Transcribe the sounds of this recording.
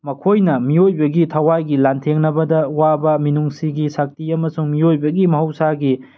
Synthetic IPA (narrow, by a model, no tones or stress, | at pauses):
mɐkʰojnɐmiojbɐɡitʰɐwajɡilantʰeŋnɐbɐdɐwabɐminuŋsiɡisak̚tiɐmɐsuŋmiojbɐɡimɐɦɐwsaɡi